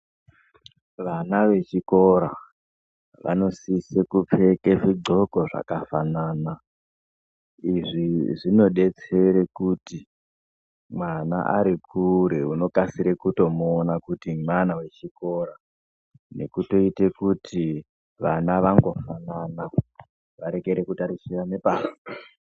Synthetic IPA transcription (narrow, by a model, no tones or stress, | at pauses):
ʋanaʋe̞t͡ʃiko̞ɾa | ʋa̰no̞sisekup͡fe̞keʐio̞ko̞ʐa̰kafanaːna | iʐiʐino̞ɗe̞t͡se̞ɾekuti | mwana̰ʔa̰ɾikʰuɾeuno̞kasiɾekuto̞moːnakutimwanawe̞t͡ʃiko̞ːɾa | ne̞̰kuto̞ite̞kutʰi | ʋanaʋaŋɡo̞fanana | ʋaɾe̞ɡe̞ɾekutaɾisiranepaːpo